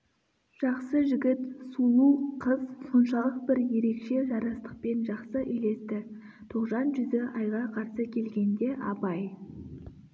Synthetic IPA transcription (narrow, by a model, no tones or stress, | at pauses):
ʒ̥ɑqsəʒɪɡʲɪt̪sunuqʰəzso̞nʃɑlˠəq̚bɪɾje̞ɾe̞kʃe̞ʒɑɾɑst̪ə̥q̚pe̞nʒɑqsəʔʏjle̞st̪ɪ | t̪ʰoqʒɑnʒʏzɪʔɑjʁɑqʰɑɾsəkʲʰe̞lɡʲe̞nd̪e̞ʔɑpɑj